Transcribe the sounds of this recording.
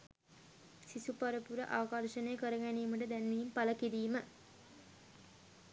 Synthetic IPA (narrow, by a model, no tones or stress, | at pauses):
sisupaɾəpuɾə̰ʔaʋəkɐrʃənəjəkəɾəɡæniːməʈ̬əd̪ænʋiːmpaləkiɾiːmə